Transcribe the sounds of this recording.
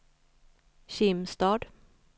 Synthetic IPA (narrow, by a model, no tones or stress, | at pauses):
ɕɪmst̪ɑːɖ̪